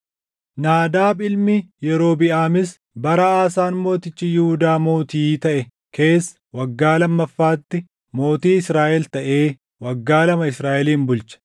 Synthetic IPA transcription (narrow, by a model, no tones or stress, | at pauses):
naːd̪aːbɪlmɪjɛɾo̞ːbɪʔaːmɪs | bɐɾɐaːsaːnmo̞ːt̪ɪt͡ʃːɪjɪhʊd̪aːmo̞ːt̪iːt̪ɐʔɛ | kʰe̞ːs | wɐɡːaːlɐmːɐfːaːt̪ːɪ | mo̞ːt̪iːɪsɾaːʔɛlt̪ɐʔe̞ː | wɐɡːaːlɐmɐɪsɾaːʔɛliːnbʊlt͡ʃɐ̥